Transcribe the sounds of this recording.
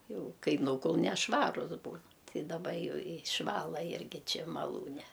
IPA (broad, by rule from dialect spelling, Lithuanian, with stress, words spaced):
ˈjɛʊ ˈkɐɪ ˈnuːkʊlˠ nʲɛʃˈʋɑːrʊs ˈbuːn tʲɪ dɐˈbɐ ˈjɛʊ ɪʃˈʋɑːlˠɐ ˈɪrʲɡʲɪ ˈt͡ʃʲɪ mɐˈlˠuːnʲɛ